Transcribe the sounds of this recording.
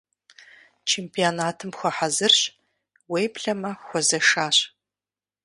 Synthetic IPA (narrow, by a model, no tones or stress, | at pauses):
t͡ʃʰeːmpʰionaːtʰɨmxʷɐħazɨrɕ | wejpɬɐmɐxʷɔzɐʂaːɕ